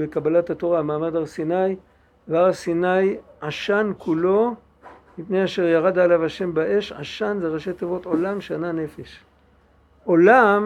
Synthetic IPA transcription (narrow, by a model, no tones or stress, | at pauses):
bekabalat̪ato̞ʁamaːmad̪aʁsinaj | veaʁsinajaʃankulo̞ | mipne̞jaʃe̞ʁjaʁadaːlavaʃe̞mbaʔe̞ʃa̰ʃanzeʁaʃe̞t̪ovo̞to̞lamʃeanane̞feʃ | ʔo̞lam